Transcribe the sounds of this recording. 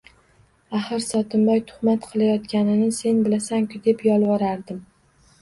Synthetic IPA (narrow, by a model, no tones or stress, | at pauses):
aχɨɾsɒt̪ʰɪmbɒjt̪ʰʊ̥χmat̪qʰɨlˠajɒt̪kʲanɪnɪse̞nbɪlasaŋkʲʊd̪e̞pjɒlˠvɒɾaɾd̪ɪm